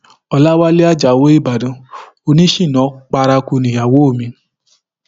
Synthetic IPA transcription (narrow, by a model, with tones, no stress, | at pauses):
ɔ˧la˦wa˦le˦a˦d͡ʒa˨wo˦i˦˨ba˨dã˨˦ | o˧nĩ˦ʃĩ˦˨nɔ̃˨˦k͡pa˧ɾa˧ku˧nĩ˨a˨wo˦o˦˨mĩ˧˦